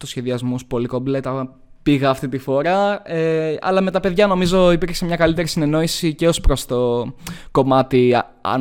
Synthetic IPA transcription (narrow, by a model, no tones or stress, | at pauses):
t̪usçe̞ðiɐzmuspo̞likoblet̪ɐ | piɣɐːft̪it̪ifo̞ɾɐeɐ̰lɐme̞t̪ɐpe̞ðʝɐno̞mizo̞ipiɾksemɲɐkɐlit̪e̞ɾisine̞no̞isiceo̞spɾo̞st̪o̞ko̞mɐt̪i | ɐ̰